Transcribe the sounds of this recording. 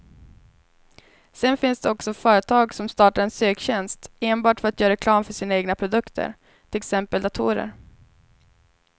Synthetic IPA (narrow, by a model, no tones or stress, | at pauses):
sɛnfɪnsd̪ɛɔksɔfœːɾət̪ʰɑːɡsɔmst̪ɑːʈaɾɛnsøːkɕɛnst̪eːnbɑːʈfœɾat̪jœːɾaɾɛkʰlɑːmfœʂiːnaeːɡnapʰɾʊd̪ɵkt̪ʰə̰ɾ | ʈ̪ʰɪlɛksɛmpəld̪at̪ʰuːɾə̰ɾ